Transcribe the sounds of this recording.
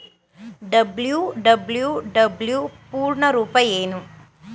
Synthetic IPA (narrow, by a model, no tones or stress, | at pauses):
ɖɐbljuɖɐbljuɖɐbljupuːɾɳɐɾuːpɐjeːnu